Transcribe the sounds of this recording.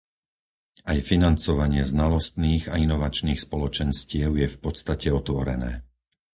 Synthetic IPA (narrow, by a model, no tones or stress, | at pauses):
ajfinant͡sɔʋaɲɪɛznalɔst̪niːɣainɔʋat͡ʃniːxspɔlɔt͡ʃɛnscɪɛʊjɛfpɔt̪st̪acɛɔt̪ʋɔɾɛ̰nɛ̰ː